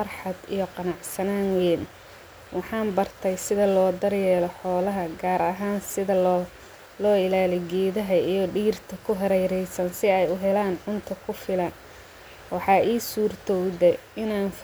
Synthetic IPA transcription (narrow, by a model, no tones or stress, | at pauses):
fɐrħɑd̪ḭjɔqɑnɑʕsɐnaːnwɛːn | wɑħɑːnbɐrt̪ʰɐjsɪðɐlɔːd̪ɐrjɛːlɔħɔːlɐɦɐɡaːɾɐɦaːnsɪðɐ | lɔːɪlaːlɛɡɛːðɐɦɐijɔɖiːrt̪ʰɐkʰʊɦɛɾɛjɾɛjsɐnsɪɛjʊɦɛlaːnʕʊnt̪ʰɐkʰʊfɪlɐn | wɑħɑːʔiːsuːrt̪ʰɔwdɛɪnaːnf